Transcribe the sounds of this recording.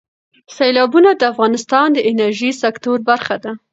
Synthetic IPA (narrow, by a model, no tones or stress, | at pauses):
selɑbunad̪əafɣɑnɪst̪ɑnd̪əʔɪnaɾʒisakt̪oɾbaɾxad̪a